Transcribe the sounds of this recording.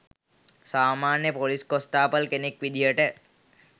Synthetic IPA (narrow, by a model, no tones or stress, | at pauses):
saːmaːnjəpoliskost̪aːpəlkenekʋid̪ʱijəʈə